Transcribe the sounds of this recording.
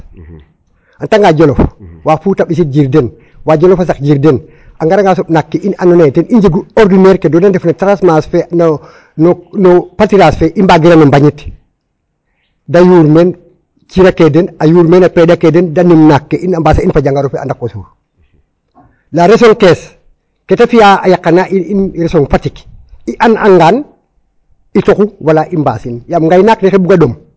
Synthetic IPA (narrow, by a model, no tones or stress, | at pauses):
antaŋɡaɟolofwafutaɓis̬it̚ɟiɾden | waɟɔlofasak̚ɟiɾden | ʔaŋɡaɾaŋɡas̬opnakːeʔinanɔnetenʔiɲɟeɡuoɾdineɾkedɔdandefnatɾasmasfen | nonopatiɾasfeʔimbaɡiɾanimbaɲit | dajuɾmen | t͡ʃiɾakedenajuːɾmenapɾedakedendanimnakːeʔinambaːsainfaɟaŋɡaɾofea̰ndakosṵːɾ | laɾes̬oŋkes | ketafijaːjakːanaʔiinɾesoŋfatikiʔanaŋɡaːn | itokuwalaʔimba̰ːsinjamŋɡajnaknixebuɡadom